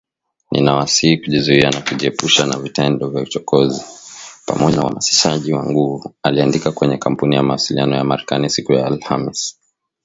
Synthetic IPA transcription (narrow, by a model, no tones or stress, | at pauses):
nʔḭnawasiikuʄizuianakuʄiɛpuʃanavitɛndɔvjaut͡ʃɔkɔzipa̰mɔʄaamasi̥ʃaʄiwaŋɡuvualiandikakwɛɲɛkam̩punijamawasilianɔjamaɾɛkanisikujaːlhamis